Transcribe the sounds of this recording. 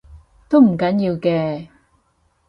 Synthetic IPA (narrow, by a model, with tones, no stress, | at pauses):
t̪o˥wm̩˨˩kɐ˨˥njiː˧wkɛː˧